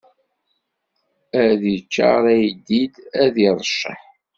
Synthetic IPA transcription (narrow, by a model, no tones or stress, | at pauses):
æðit͡ʃːa̰ʁɾˤæjd̪id̪æðiɾˤʃə̰ħ